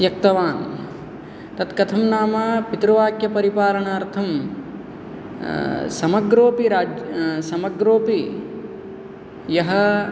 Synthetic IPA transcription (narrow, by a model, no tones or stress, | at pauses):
jɐk̚t̪ɐʋaːn | t̪ɐt̪kɐt̪ʰɐmnaːmɐpit̪ɾɐʋaːkjɐpɐɾipaːɾɐɳaːɾt̪ʰɐm | sɐmɐɡɾoːpiɾaːd͡ʒsɐmɐɡɾoːpi | jɐɦɐ